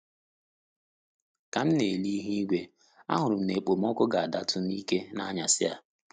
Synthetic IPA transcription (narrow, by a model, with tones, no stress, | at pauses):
ka˨m̩˦ne˨li˦ɦi˦ɡʷe˦ | a̰˦ɦʊ˨ɾʊ˨m̩˨ne˨k͡po˨m̩˦ɔ˦kʊ˦ɡa˨a˨da˦tʰʊ˦ni˦ke˦na˦ɲa˨sɪ˦a˨